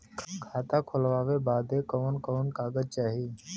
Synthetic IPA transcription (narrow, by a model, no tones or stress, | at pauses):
kʰaːt̪ãːkʰʊlʋaːʋeːbaːd̪eːkoːnkoːnkaːɠəd͡ʒt͡ʃaːɦiː